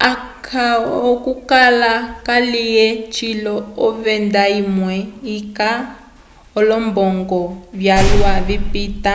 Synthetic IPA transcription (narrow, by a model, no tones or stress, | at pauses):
akʰaɔkukalakalijɛt͡ʃilɔɔβɛndaimwɛika | ɔlɔmbɔŋɡɔβjaluaβipita